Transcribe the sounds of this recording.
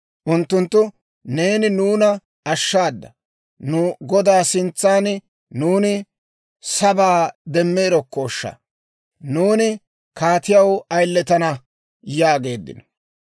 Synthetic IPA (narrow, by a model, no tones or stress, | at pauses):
ʔʊnt̪ːʊnt̪ːʊ | ne̞ːnɪnuːnɐ | ɐʃːaːd̪ːɐ | nʊɡɔd̪aːsɪnt͡sːaːn | nuːnɪ | sɐbaːd̪ɛmːeːɾɔkːoːʃːɐ̰ | nuːnɪ | kʰaːt̪ɪjɐwɐjlːɛt̪ɐnɐ | jaːɡe̞ːd̪ːɪ̰nɔ